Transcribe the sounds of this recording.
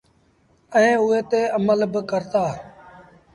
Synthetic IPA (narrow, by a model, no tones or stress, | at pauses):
əẽːʊeːt̪eːəməlbəkəɾt̪aː